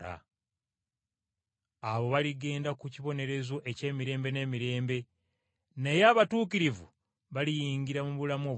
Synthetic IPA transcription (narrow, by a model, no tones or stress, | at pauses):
a̰ | aβo̞βaliɡe̞ːndakuciβo̞ne̞ɾe̞zo̞ʔe̞ce̞ːmiɾe̞ːmbe̞ne̞ːmiɾe̞ːmbe̞ | ne̞jaβatuːkiɾivṵ | βalijiːŋɡiɾamuβulamo̞ː